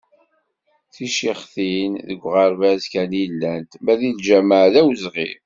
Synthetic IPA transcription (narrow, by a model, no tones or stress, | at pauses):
θiʃiχθinðəɡʷːʁɑɾvæzkænilːænt̪mæðild͡ʒæmaʕðæwzʁḭɾ